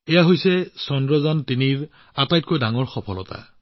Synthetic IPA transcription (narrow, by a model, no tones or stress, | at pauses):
ɛjaɦojsɛsɔndɹɔzantiniɹ | apajt̚kojdaŋɔɹxɔpʰɔlɔta̰